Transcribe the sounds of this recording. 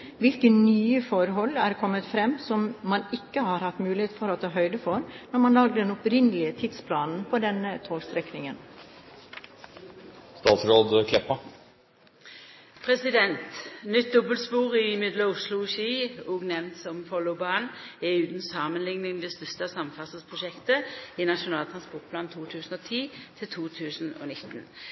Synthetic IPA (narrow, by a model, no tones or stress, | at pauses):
ʋɪlkənyːəfɔɾɦɔlːæɾkʰɔmːət̪fɾɛmːsɔmːɑnɪkːəhɑːɾhɑt̪ːmʉːlɪheːt̪fɔɾot̪ʰɑːɦœʏd̪əfɔɾnɔɾmɑnlɑːɡd̪əd̪ɛnɔpɾɪnəlɪət̪ʰɪd̪spʰlɑːnn̩pʰoːd̪ɛnət̪ʰoːɡst̪ɾɛknɪŋən | st̪ɑːt̪sɾoːd̪kʰlɛpːɑ | pʰɾɛsɪd̪ɛnt̪nʏt̪̚d̪ɔbəlspuːʁɪmɪd̪ləʊslʊʃiːuːɡnɛʋnt̪sɔmfɔlʊʊbɑːnɛʉːt̪n̩sɑːmənlɪŋnɪŋd̪ɛːst̪ʏst̪əsɑmfɑsəspʰʁʊʃɛkt̪əɪnɑʃʊnɑːlt̪ɾɑnspɔʁʈ̚pʰlɑːnt̪ʰuːt̪ʰʉːsn̩oːt̪ʰiːt̪ʰɪlt̪ʰuːt̪ʰʉːsn̩o̰ːnɪt̪ːn